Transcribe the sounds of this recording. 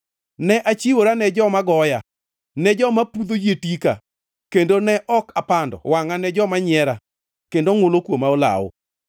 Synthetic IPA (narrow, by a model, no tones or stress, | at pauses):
nɛʔat͡ʃiwoɾanɛd͡ʒɔmaɡɔja | nɛd͡ʒɔmapud̪od͡ʒetika | kendonɛʔɔkapandɔ̰waŋanɛd͡ʒɔmaɲɛɾa | kendoŋolokwomaola̰wo̰